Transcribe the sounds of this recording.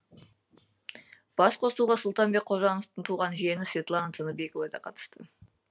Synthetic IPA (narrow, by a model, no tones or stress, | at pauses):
b̥ɑsqʰo̞suʁɑsʊlˠt̪ɑnbe̞k̚qʰoʒɑnoft̪ənt̪ʰuʁɑnʒienɪsvʲet̪lˠanət̪ʰənəbekovɑd̪ɑ̰qʰɑt̪ə̥st̪ə